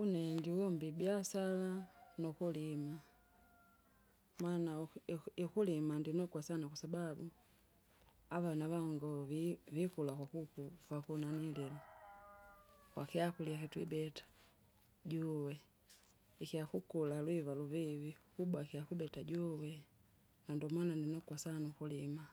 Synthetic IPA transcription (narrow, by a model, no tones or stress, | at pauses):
unɛndiwɔmbibjasalanɔkulima | manaikulimandinɔkwasanakwasababu | avanaβaŋɡɔvvikulakwakukufakunanilila | kwakiakuliakitwibɛtḁ | ɟuwɛ | ikiakukulalwivaluvivikubwakijakubɛtaɟuwɛ | nandɔmwanandinɔkwasanaukulima